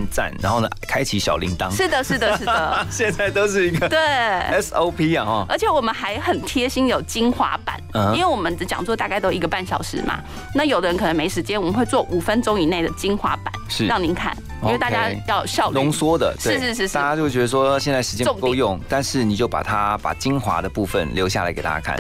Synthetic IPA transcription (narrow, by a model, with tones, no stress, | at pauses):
nt͡sa̰˨˩nɻa̰˧˥nxo˥˩nə̰˨˩kʰa˥ɪt͡ɕʰi˧˥ɕjɑ̰˨˩ʊlḭ˧˥ŋt̪ɑ˦˥ŋʂɻ̩˥˩d̪ə˩ʂɻ̩˥˩d̪ə˩ʂɻ̩˥˩də˩ɕjɛ˥˧nd͡za˥˩ɪt̪o˥ʊʂɻ̩˥˩i˧˥ɡə˧t̪we˥˩ɪɛ˦˥so˧˥ʊpʰi˥a˨ɔ˥˧ʔə˞˧˥t͡ɕʰjɛ˨˩wɔ˨˩mə˦nxa˧˥ɪxə˨˩nt̪ʰjɛ˥ɕi˥njo˨˩ʊt͡ɕi˥nxwa̰˧˥pa̰˨˩˦n˩˦˥nwe˥˩ɪwɔ˨˩mə˦n˧t͡ɕjɑ˨ŋt͡swɔ˥˧t̪a˥˧ka˥˩ɪt̪o˥i˧˥ɡə˧pa˥˩nɕjɑ˨˩ʊʂɻ̩˥˩mʔa̰˨˩ | na˥˩jo˨˩ʊd̪ə˦ɻə˧˦nkʰɤ˨˩nə˧˦ŋme˧˥ɪʂɻ̩˧˥t͡ɕjɛ˥nwɔ˨˩mə˦nxwe˥˧t͡swɔ˥˩ʔu˨˩fə˦nʈ͡ʂʊ˥ŋi˨˥˦ne˥˩ɪd̪ə˩t͡ɕi˥nxwa̰˧˥pa̰˨˦nʂ̩˥˩ɻɑ˥˩ŋni˧˥nkʰa̰˥˩n | i˧we˥˧ɪt̪a˥˧t͡ɕja˧˦˥jɑ˥˧ʊɕjɑ˥˧ʊlʊ˧˥˦ŋswɔ˥d̪ə̰˨t̪ʂweɻ̩˥˧ʂɻ̩˥˧ʂ̬ɻ̩˥˧ʂta˥˩t͡ɕa˦t͡ɕo˥˧ʊ˥˩t͡ɕɥɛ˧˥ə˧ʂwɔ˥ɕjɛ˥˧nt͡sa˥˩ʂ̩ɻ̩˧t͡ɕjɛ̃˥ʊ˥˧ŋ˥˧ʊjʊ˥˨ŋt̪a˥˧nʂɻ̩˥˩ni˨˩t͡ɕjo˥˩ʊpa̰˨˩t̪ʰa˦pa̰˨˩t͡ɕi˦nxwa̰˧˥d̪ə˨pu˥˩fə̰˨nljo˧ʊɕja̰˥˨la̰˧ɪke˨˩a̰˥˩t͡ɕa̰˥kʰa̰˥˩˨